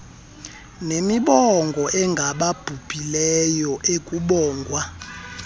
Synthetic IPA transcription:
nemiɓɔŋɡʱɔʔɛŋɡʱaɓab̥ʱub̥ʱilɛjɔʔekʼuɓɔːŋɡʱwa

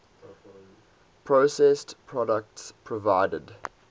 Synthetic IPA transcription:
pʰɹosɛstpʰɹɔdək̚tspʰɹɔvaɪdəd

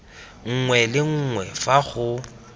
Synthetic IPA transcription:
ŋ̩ŋwɛlɪŋ̩ːŋwɛfaɣʊ

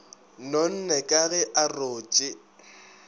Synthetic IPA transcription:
non̩nɛkʼaɣɛʔaroːt͡ʃʼɪ

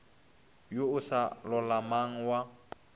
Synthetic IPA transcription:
joʊsalɔlamaŋ̩wa

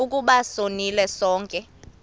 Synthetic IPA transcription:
uk̬ʼuɓasonilɛsɔːŋkʼɛ

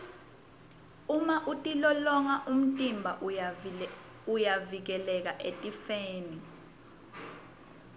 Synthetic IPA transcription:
umaʔutʼilɔlɔŋaʔum̩tʼimbʱa | ujavik̬ɛlɛk̬aʔetʼifeːni

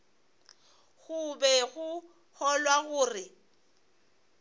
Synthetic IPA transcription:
ɣʊbɛɣʊ | hɔlwaɣʊːrɪ

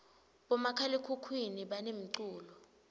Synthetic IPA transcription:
ɓɔmakʰalikʰukʰwiniɓanem̩ǀuːlɔ

